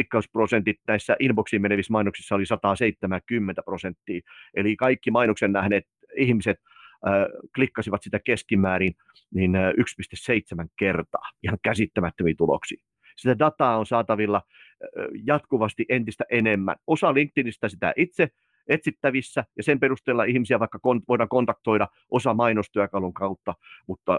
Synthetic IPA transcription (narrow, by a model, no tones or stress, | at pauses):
ikːɑusprosent̪it̪næisːæʔinboksiːmmeneʋismɑinoksisːɑolisɑt̪ɑːseit̪ːemækymːent̪æprosent̪ːiːʔelikɑikːimɑinoksennæhneːt̪ | ihmiset̪ː | klikːɑsiʋɑt̪sit̪ækeskimæːɾin | ninykspist̪esseit̪semæŋkert̪ɑ̰ːihɑŋkæsit̪ːæmæt̪ːømiːt̪ulo̰ksḭː | sit̪ædɑt̪ɑːonsɑːt̪ɑʋilːɑ | jɑt̪kuʋɑst̪iʔent̪ist̪æʔenemːæ̰nosɑliŋk̚t̪inist̪æsit̪æ̰ʔit̪se | et̪sit̪ːæʋisːæjɑsemperust̪elːɑʔihmisiæʋɑikːɑkonʋoiɾɑŋkont̪ɑk̚t̪oiɾɑ | ʔosɑmɑinost̪yækɑluŋkɑut̪ːɑmut̪ːɑ